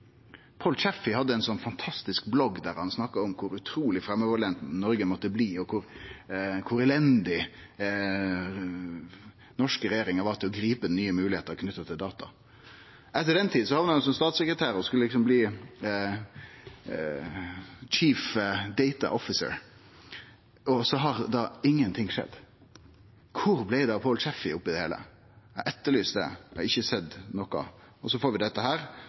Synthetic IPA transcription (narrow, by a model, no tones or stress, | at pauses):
pʰoːlt͡ʃɛfɪhɑd̪ːəɛnsɔnfɑnt̪ʰɑst̪ɪskblɔɡd̪æɾhɑnsnɑkːɑɔmkʰʊɾʉt̪ʰɾuːlɪfɾɛmːəʋɔlɛnt̪nɔɾɡəmɔt̪ːəbliːɔkʰʊɾ | kʰʊɾɛlɛnd̪ɪ | nɔʂkəɾɛjeːɾɪŋəɾʋɑːʁt̪ʰɪlɔɡɾiːpəd̪ɛnyːəmʉːlɪheːt̪əɾɔkʰnʏt̪ːət̪ʰɪld̪ɑːt̪ɑ̰ | ʔɛt̪ːəd̪ɛnt̪ʰiːd̪n̩sɔhɑʋnəhɑnsɔmst̪ɑːt̪sɛkɾət̪ʰæːɾɔskʉləɪksɔmbliː | t͡ʃʰiːfd̪ɛɪt̪ɑ̰ʔɔfɪsə̰ɾ | ɔsɔɦɑɾd̪ɑɪŋːənt̪ʰɪŋʂɛ̰d̪ | kʰʊɾblæɪd̪ɑpʰoːlt͡ʃɛfɪʊpːɪd̪ɛheːlə̰ | æʔɛt̪ːəɭyːsd̪ɛ̰ɑɪçːəsɛd̪nɔkɑ̰ | ɔsɔfoːɾʋɪd̪ɛt̪ːəɦæːɾ